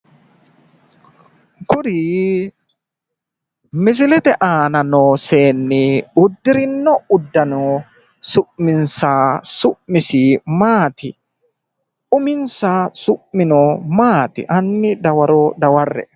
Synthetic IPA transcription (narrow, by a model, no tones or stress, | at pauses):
kʊɾi | mɪs̬ɪlɛt̪ɛʔaːnɐnoːseːnːɪʊd̪ːɪɾɪnːɔʊd̪ːɐno | sʊʔmɪnsaːsʊʔmɪsiːmaːt̪ɪ | ʊmɪnsasʊʔmɪnomaːt̪ɪ̰ʔɐnːɪd̪ɐwɐɾoːd̪ɐwɐrːɛ̰